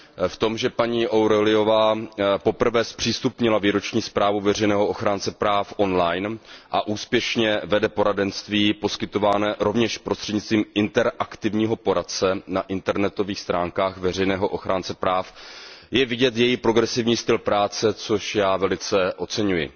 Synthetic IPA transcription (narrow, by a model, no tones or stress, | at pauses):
ft̪o̞mʒɛpaɲiːʔowɾolɪjo̞vaːpo̞pr̩vɛːspr̥iːst̪upɲɪlaviːɾo̞t͡ʃɲiːspɾaːvuvɛr̝ɛjnɛːɦoʔoxɾaːnt͡sɛpɾaːfʔo̞nlajnʔaʔuːspjɛʃɲɛvɛdɛpo̞ɾadɛnst̪viːpo̞skɪt̪o̞vaːnɛːɾo̞vɲɛʃpɾo̞st̪r̥ɛd̪ɲɪt͡st̪viːmɪnt̪ɛɾʔakt̪ɪvɲiːɦo̞po̞ɾat̪̚t͡sɛnaʔɪnt̪ɛɾnɛt̪o̞viːxst̪ɾaːŋkaːxvɛr̝ɛjnɛːɦo̞ʔoxɾaːnt͡sɛpɾaːfjɛvɪɟɛt̪jɛjɪpɾo̞ɡɾɛsɪvɲiːst̪ɪlpɾaːt͡sɛt͡so̞ʃjaːvɛlɪt͡sɛʔo̞tt͡sɛɲujɪ̰